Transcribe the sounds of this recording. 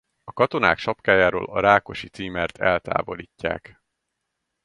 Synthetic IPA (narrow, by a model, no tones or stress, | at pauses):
ɒkɒt̪o̞na̰ːkʃɒpkaːjaːɾo̰ːlɒɾaːko̞ʃit̪siːmɛrt̪ʰɛlt̪a̰ːvo̞liːcːa̰ːk